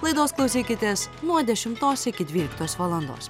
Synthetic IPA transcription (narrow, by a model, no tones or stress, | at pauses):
lˠɐɪd̪oːsklˠɐʊsʲiːkʲɪt̪ʲeːsmuːd̪ʲɛʃʲɪmt̪oːsʲɪkʲɪd̪ʲʋʲiːlʲɪkt̪oːsʋɐlˠɐnd̪o̰ːs